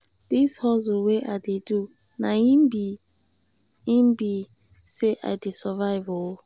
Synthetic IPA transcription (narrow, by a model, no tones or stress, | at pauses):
d̥ishɔzɔweʔadedu | naimbi | imbi | seʔa̰jdesɛvajvɔ